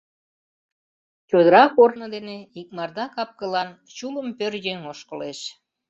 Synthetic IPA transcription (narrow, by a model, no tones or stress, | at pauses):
t͡ɕod̪əɾɑkornəd̪eneik̚mɑrd̪ɑkɑp̚kəlɑn | t͡ɕuləmpørjeŋoʃkəleʃ